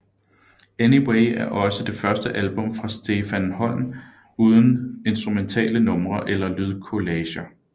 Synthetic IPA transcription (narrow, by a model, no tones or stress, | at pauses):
eniweɪæɐʔɒ̽səd̥e̝fɶɐsd̥əʔælb̥ɔ̽mfʁɑ̈sd̥e̝ːfænhɒ̽n̰n | uːð̞ˠn̩e̝nsd̥ʁument͡sʰɛ̰ːlənɔ̽mʁɐʔelɐlyð̞ˠkʰo̝lɛːɕɐ